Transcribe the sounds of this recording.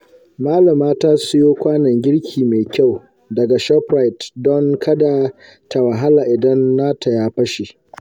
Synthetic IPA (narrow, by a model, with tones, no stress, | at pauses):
maː˦lɐ˨maː˦taː˦sʊ˦joː˦kʷaː˦nɐ˨ŋɡʲɪ˦ɽkʲʰiː˨me˨kʲa˦˨w | dɐ˨ɡa˨ʃɛ˦pɾa˦jtdɔ˦ŋkʰɐ˦da˨ | tʰa˨wa˨ɦa˦la˨ʔɪ˨dɐ˦nːaː˦tʰa˨jaː˦ɸɐ˦ʃe˨